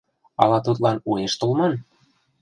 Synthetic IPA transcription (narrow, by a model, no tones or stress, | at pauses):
ɑ̰lɑt̪ut̪lɑnueʃt̪olmɑn